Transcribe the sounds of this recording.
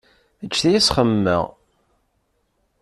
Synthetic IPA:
æt͡ʃːθæjæsχəmːə̰ʁ

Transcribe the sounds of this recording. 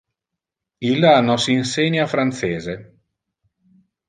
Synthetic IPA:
ilanɔsiːnseɲːafɾant̪seːze

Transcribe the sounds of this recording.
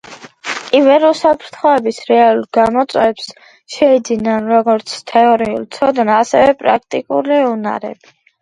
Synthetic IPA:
ivɛɾɔsapʰɾt̪ʰχɔɛbisɾɛalˠuɾɡamɔt̪sʼwɛps | ʃɛid̪zinanɾɔɡɔɾt̪sʰt̪ʰɛɔɾiṵlˠt̪sʰɔd̪ɛnasɛ̰vɛpʼɾa̰k̚ʰt̪ʼikʼṵliuna̰ɾɛ̰bi

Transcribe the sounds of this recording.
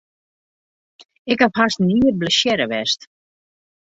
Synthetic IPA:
ɪkhaphasniːərt̚bləʃjɛɾəʋɛst

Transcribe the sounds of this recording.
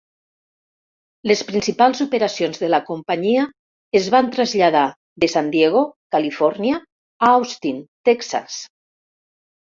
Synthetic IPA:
lespɾinsipalˠzopeɾasionzðelakompaɲia | ezβant̪ɾazʎað̞a | ðesand̪jeɣ̞okalifɔɾnia | aawst̪int̪ɛksa̰s

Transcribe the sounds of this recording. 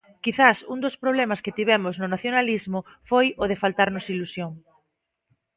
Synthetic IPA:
kiθasuŋd̪ospɾoβ̞lɛmaskɪt̪iβ̞ɛmʊznʊnaθjonalizmʊ | fojoð̞efalt̪aɾnʊsilusjoŋ

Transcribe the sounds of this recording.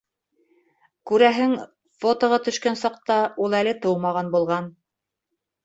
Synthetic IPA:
kʉɾæɦɘŋ | fot̪ŏʁɑt̪ɵ̆ʃkænsɑqt̪ɑulˠælɘt̪ɤwmɑʁɑnbulˠʁɑn

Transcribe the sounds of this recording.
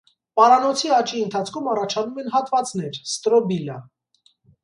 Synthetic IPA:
pɑɾɑnɔt͡sʰiɑt͡ʃiənt̪ʰɑt͡sʰkʰumɑrɑt͡ʃʰɑnumɛnɦɑt̪vɑt͡snɛɾst̪ɾɔbilɑ̰

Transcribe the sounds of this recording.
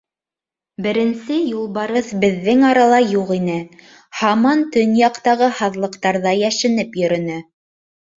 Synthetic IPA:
bɘ̆ɾɘ̆nsɘjulˠbɑɾɤθbɘ̆ðːɘŋɑɾɑlˠɑjuqinɘ | hɑmɑnt̪ɵnjɑqt̪ɑʁɤhɑðlˠɤ̆qt̪ɑɾðɑjæʃɘ̆nɘpjɵ̆ɾɵ̆nɘ

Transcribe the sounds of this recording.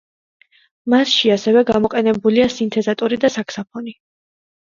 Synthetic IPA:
masʃiasɛvɛɡamɔqʼɛnɛbuliasint̪ʰɛzat̪ʼɔɾid̪asakʰsapʰɔni

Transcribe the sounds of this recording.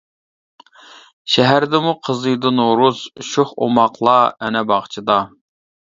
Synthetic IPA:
ʃɛɦæɾd̪ɪmuqʰəzɨjd̪ɨnoɾuzʃoχo̰mɑqʰlˠɑɛnɛbɑχt͡ʃʰid̪ɑ

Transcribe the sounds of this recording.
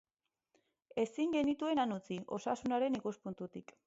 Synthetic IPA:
e̞siŋɡe̞nit̪ue̞nanut͡siʔo̞̰sasunaɾe̞nikuspunt̪ut̪ik

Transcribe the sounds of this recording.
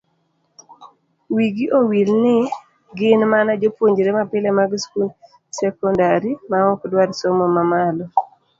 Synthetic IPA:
wiɡiʔowilnɪ | ɡɪnmanad͡ʒopwoɲd͡ʒɾemapɪlɛmaɡskul | sɛkɔndaɾimaɔkdwaɾsɔmɔmamalɔ

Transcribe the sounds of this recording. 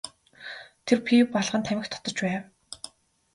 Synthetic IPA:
t̪ʰerpipaɮʁə̆nt̪ʰæmɪ̆xt̪ʰɔ̥t̪ɞ̆t͡ɕpæːw

